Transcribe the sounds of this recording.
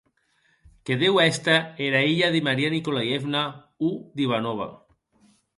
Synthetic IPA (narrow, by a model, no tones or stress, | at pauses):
keðewɛst̪aeɾaiʎaðimaɾianikolajefna | ud̪iβanoβ̞a̰